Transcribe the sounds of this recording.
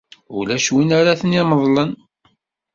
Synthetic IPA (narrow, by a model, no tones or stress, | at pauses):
ʊ̰læʃwinaɾaθəniməðˤlən